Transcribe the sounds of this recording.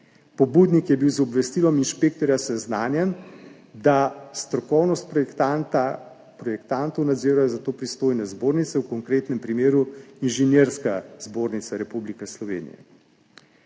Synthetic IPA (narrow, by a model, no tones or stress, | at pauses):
pɔbuːd̪nikjɛbiwzɔbʋɛst̪ilɔminʃpekt̪ɔɾjasɛznaːnjɛn | d̪ast̪ɾɔkɔwnɔst̪̚a | pɾɔjɛkt̪ant̪ɔwnad̪ziːɾajɔzat̪oːpɾist̪oːjnɛzboːɾnit̪sɛwkɔŋkɾeːt̪nɛmpɾimeːɾuinʒɛnjeɾskazboːɾnit̪saɾɛpublikɛslɔʋḛːnḭjɛ̰